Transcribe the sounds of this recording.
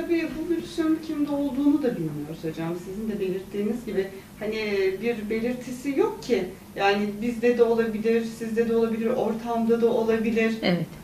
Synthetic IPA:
t̪ʰabiːbubylʲysjonincʰimd̪ɛo̞lˠd̪uːnud̪ab̪yjønyjo̞ɾusod͡ʒamsizind̪ɛbe̞lʲiɾt̪ʰːiːnizɟibɪ | hanɪbiɾbe̞lʲiɾt̪ʰisijo̞k̚cʰi | jaːnɪbizd̪ɛd̪ɛo̞lˠabilʲiɾsizd̪ɛd̪ɛo̞lˠabilʲiɾo̞ɾt̪ʰamd̪ad̪ao̞lˠabilʲiɾ̥ɛvɛt̪

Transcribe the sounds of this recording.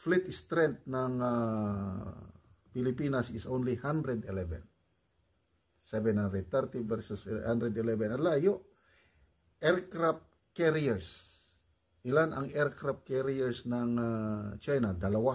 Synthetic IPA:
flit̪st̪ɾɛ̃nt̪̚naŋa | pilipinasisõnlihãnd̪ɾɛd̪ɛlɛvɛ̰̃n | sɛvɛ̃nhãnd̪ɾɛd̪̚t̪ɛɾt̪ivɛɾsɔshãnd̪ɾɛd̪ilɛvɛ̃nalajoʔ | ɛɾkɾap̚ | kɛɾiɛɹs | ilana̰ŋɛɾkɾap̚kɛɾiɛɾsnaŋat͡ʃajnad̪alawa

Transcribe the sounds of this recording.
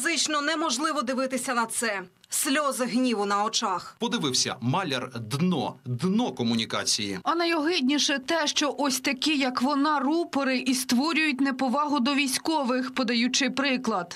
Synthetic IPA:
zɪt͡ʃnɔnɛmɔʒlˠɪʋɔd̪ɪʋɪt̪ɪsʲɐnɐt̪sɛ | sʲlʲɔzɪɦnʲiʋʊnɐɔt͡ʃɑxpɔd̪ɪʋɪwsʲɐ̰mɑlʲɛrd̪nɔ̰d̪nɔkɔmʊnʲikɑ̰t͡sʲijḭɐnɐjɔɦɪdʲnʲiʃɛt̪ɛʃt͡ʃɔʔɔsʲt̪ɐkʲijɐkʋɔnɑrupɔɾɪʔist̪ʋɔɾʲʊjʊt̚ʲnɛpɔʋɑɦʊd̪ɔʋʲijsʲkɔʋɪxpɔd̪ɐjut͡ʃɪjpɾɪklˠɐd̪

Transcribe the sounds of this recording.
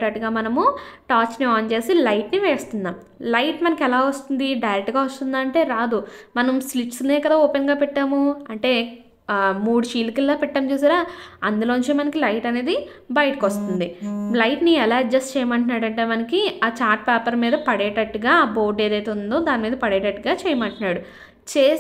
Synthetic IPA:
ʈɐʈːuɡaːmɐnɐmuʈaːt͡ʃniaːnt͡ʃe̞ːsilɐjʈniʋeːst̪und̪aːm | lɐjʈmɐnɐkɛlaːʋɐst̪und̪iɖɐjɾek̚ʈːɡaːʋɐst̪und̪aːɐɳʈe̞ːɾaːd̪umɐnɐmsliʈsneːkɐd̪aːoːpenɡaːpɛʈːaːmuɐɳʈe̞ː | muːɽuʃiːlkɐlːaːpɛʈːɐmt͡ʃuːs̬aːɾaːɐnd̪ulo̞ːuɲt͡ʃeːmɐnɐkilɐjʈɐne̞ːd̪i | bɐjʈikost̪und̪ilɐjʈniɛlaːd͡ʒd͡ʒɐst͡ʃɛːjɐmɐɳʈunːaːɽɐɳʈe̞ːmɐnɐkiaːt͡ʃaːɾʈ̚pɛːpɐɾmiːd̪ɐpɐɽɛːʈɐʈːuɡaːbo̞ːɖeːd̪ɐjt̪eund̪o̞ːd̪aːnimiːd̪ɐpɐɽɛːʈɐʈːuɡaːt͡ʃɛːjɐmɐɳʈunːaːɽu | t͡ʃeː

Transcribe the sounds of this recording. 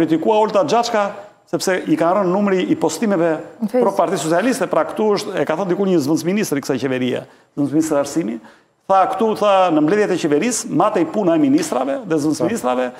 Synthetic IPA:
ɾit̪ikuaɔlt̪ad͡ʒat͡ʃka | sɛpsɛikanrənːumɾiʔːpɔst̪imɛvɛppɾɔpaɾt̪it̪s̬ɔt͡ssialist̪ɛpɾakt̪uəʃt̪ɛkaθənd̪ikulɲəzvənsminist̪ɾiksajcɛvɛɾia̰ | zvənsminist̪ɾiaɾsimi | θakt̪uθanəmblɛðjɛt̪ɛcɛvɛɾismat̪ɛipunaɛminist̪ɾavɛðɛzvənsminist̪ɾavɛ

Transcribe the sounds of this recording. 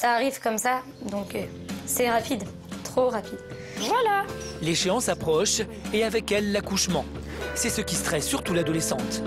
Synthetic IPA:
saːʁivkɔmsa | d̪ɔ̃kø | sɛʁapid̪ | t̪χoʁapid̪ | vwalaleʃeɑ̃sapχɔʃ | eavɛkɛlːakuʃmɑ̃ | sɛsəkʲist̪χɛsːyʁt̪ulad̪ɔlesɑ̃t̪

